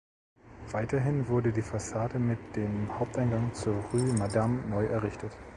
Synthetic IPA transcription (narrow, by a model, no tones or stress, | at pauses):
v̥aɪtɐɦɪnvʊɐdədiːfasaːdəmɪtd̥eːmhaʊp̚taɪnɡaŋt͡suːɐʁyːmadamnɔʏʔɛɐʁɪçtʰət